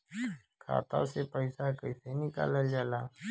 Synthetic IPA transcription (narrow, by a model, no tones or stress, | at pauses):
kʰa̰ːt̪a̰sepəɪsakəɪsenɪka̰ːləld͡ʒaːlaː